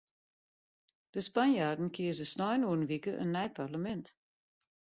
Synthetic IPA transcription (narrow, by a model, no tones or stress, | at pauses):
d̥əspanjadn̩kʰiəzəsnɔjnuənʋikəʔə̰nːɛjpʰarləmɛnt